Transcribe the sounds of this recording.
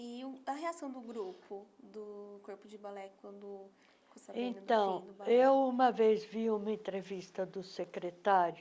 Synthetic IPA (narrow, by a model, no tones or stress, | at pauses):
iʊɐɦeasɐ̃w̃d̪ʊɡɾupʊd̪ʊkoɾpʊd͡ʒɪbalɛkwɐ̃nd̪ʊffikosaẽt̪ɐ̃w̃d̪ewũmɐvezviũmɐẽt̪ɾevist̪ɐd̪ʊsekɾet̪aɾjʊ